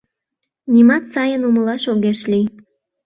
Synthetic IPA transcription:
nʲimɑt̪sɑjənuməlɑʃoɣeʃli

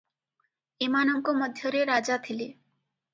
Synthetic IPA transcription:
emanɔŋkɔmɔd̪ʱjɔɾeɾad͡ʒat̪ʰile

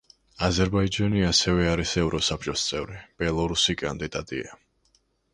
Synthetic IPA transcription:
azɛɾbaid͡ʒaniasɛvɛaɾisɛvɾɔsap̚ʰt͡ʃʼɔst̪sʼɛvɾib̥ɛlˠɔɾusikʼand̪id̪at̪ʼḭa

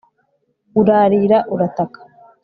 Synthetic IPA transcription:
uɾaːɾiːɾaʔuɾatakḁ

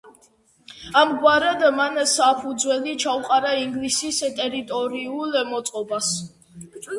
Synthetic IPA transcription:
amɡwaɾɛd̪mansapʰud̪zwɛlit͡ʃʰauqʼaɾaiŋɡlisist̪ʼɛɾit̪ʼɔɾiulɛmɔt̪sʼqʼɔbas

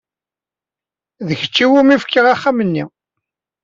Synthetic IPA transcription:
ðəçə̥t͡ʃːiwumifkːəʁaχːamənːi

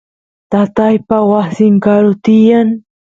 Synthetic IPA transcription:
t̪at̪ajpawasɪŋkaɾʊt̪ɪjaŋ

